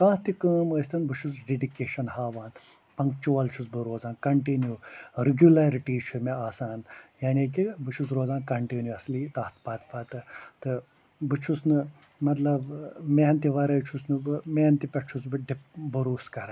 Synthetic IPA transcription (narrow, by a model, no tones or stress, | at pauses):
kãːht̪ikəːməːst̪ɐnbɨt͡ʃʰusɖeɖikeːʃɐnhaːʋaːn | pɐŋɡt͡ʃoːɐlt͡ʃʰusbɨɾoːzaːnkɐɳʈinjuɾiɡʲjulɐɾiʈiːt͡ʃʰumeaːsaːnjaːnʲiːkibɨt͡ʃʰusɾoːzaːnkɐɳʈinjuɐsliːt̪aːt̪ʰpaːt̪ʰpaːt̪ɨt̪ɨ | bɨt͡ʃʰusnɨ | mɐt̪lɐbmeɦnt̪iʋɐɾɐjt͡ʃʰusnɨmeːnt̪ipʲɐʈt͡ʃʰusbɨɖipbɨɾuːskɐɾɐn